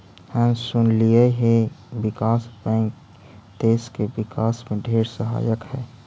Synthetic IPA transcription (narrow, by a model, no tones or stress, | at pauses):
hɛ̃sʊnlijəɦeʋɪkaːsbɛ̃ːŋk | t̪eːskeʋɪkaːsmẽɖʱeːɾsəɦa̰ːjəkhɛː